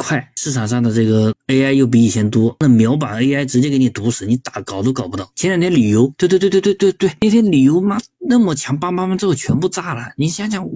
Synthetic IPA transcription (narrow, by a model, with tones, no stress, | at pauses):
kʰwa˥˩ɪʂɻ̩˥˩ʈ͡ʂʰɑ˨˩ŋʂɑ˥˩ŋd̪ə˩ʈ͡ʂɤ˥˩ɡə˩e˥ɪa˥ɪjo˥˩ʊp̬i˧˥i˨˩t͡ɕʰjɛ˧˥nt̪wɔ˥na˥˩mjɑ˧˥ʊp̬a˨˩ne˥ɪa˥˩ɪʈ͡ʂɻ̩˧˥t͡ɕjɛ˥ke˧˥ɪni˨˩t̪u˧˥ʂɻ̩˧˥ni˧˥t̪a˨˧˩kɑ˨˩ʊt̪o˥ʊkɑ˨˩pu˧˥ɑ˥˩ʊt͡ɕʰjɛ˥njt̪ʰɛ˥nli˨˩jo˧˥ʊt̪we˥˧t̪wtttwe˥˧t̪we˥˧ɪt̪we˥˩ɪne˥˩ɪt̪ʰjɛ˥nli˨˩jo˧˥ʊma˥na˥˩mə˨˩t͡ɕʰjɑ˧˥ŋpa˥ma˥ma˧˥ʈ͡ʂɻ̩˥xo˥˩ʊt͡ɕʰɥɛ˧˥npu˥˧t͡sa˥˩lə˨˩ni˧˥ɕjɑ˥t͡ɕjɑ˧˥ŋ